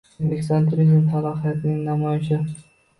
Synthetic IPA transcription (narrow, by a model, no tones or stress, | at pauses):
lekʲsant̪ʰʊɾizmt̪ʰalˠɒχijat̪ʰɪnɪŋnamɒjɪʃɪ